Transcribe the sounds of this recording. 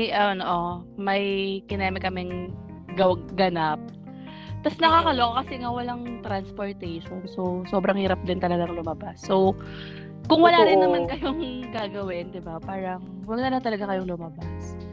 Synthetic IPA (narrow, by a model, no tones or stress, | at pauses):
jʔɐnoʔomɐjkɪnɛmɪkɐmɛŋ | ɡɐɡɐnap̚ | t̪ɐsnɐkaːkɐloʔokɐsɛŋawɐlaŋt̪ɾanspoɹt̪ɛʃonsowso̞ːbɾɐŋhiːɾɐp̚d̪ɪnt̪ɐlɐɡaŋlʊmɐbasːow | kʊŋwɐlaːɾɪnːɐmankɐjoŋɡaːɡɐwɪnd̪ɪbapaːɾɐŋ | wɐɡ̚nɐlɐŋt̪ɐlɐɡakɐjoŋlʊmɐbas